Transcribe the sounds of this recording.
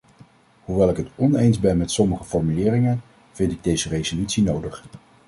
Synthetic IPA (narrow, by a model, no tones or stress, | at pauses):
ɦuʋɛlˠɪkɦətɔnejnzbɛnmɛtsɔməχəfɔɹmylɪːrɪŋən | v̥ɪntɪɡ̚dejzərejzolytsinowdəχ